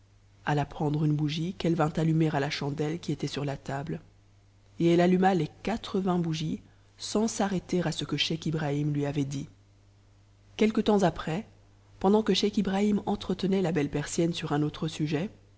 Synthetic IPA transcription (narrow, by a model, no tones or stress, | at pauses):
alapχɑ̃d̪ʁynbuʒikɛlvɛ̃t̪alymeʁalaʃɑ̃d̪ɛlkʲiet̪ɛsyʁlat̪abl | eɛlalymalekat̪χəvɛ̃buʒi | sɑ̃saʁet̪eʁasəkəʃɛkibʁaimlɥiavɛd̪i | kʲɛlkət̪ɑ̃zapχɛ | pɑ̃d̪ɑ̃kəʃɛkibʁaimɑ̃t̪χət̪ənɛlabɛlpɛʁsjɛnsyʁɛ̃not̪χəsyʒɛ